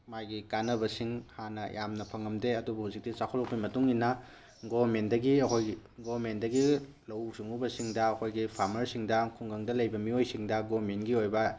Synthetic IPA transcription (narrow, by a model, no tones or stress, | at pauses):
majɡikanːɐbɐsiŋhanɐjamnɐpʰɐŋɐmdeɐdubɐhuzik̚tisakʰolok̚pimɐtuŋinɐ | ɡobʱɐmendɐɡiɐkʰojiɡobmendɐɡi | lɐwsuŋubɐsiŋdɐːkʰojɡipʰaɾmɐɾsiŋdɐkʰuŋɡɐŋdɐlɐjbɐmiojsiŋdɐɡobɾmenɡiojbɐ